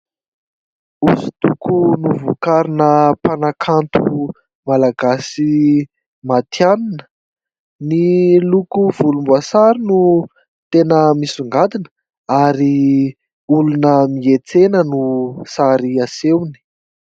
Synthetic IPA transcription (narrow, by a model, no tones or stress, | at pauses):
usi̥t̪ukunuvukaɾinəpanakʰant̪u | malaɡasi | mat̪janinə̥ | nilukuv̥ulumbəsaɾinu | t̪enəmisuŋɡad̪inə̥ | aɾi | ulunəmiet͡senənusaɾiasewni̥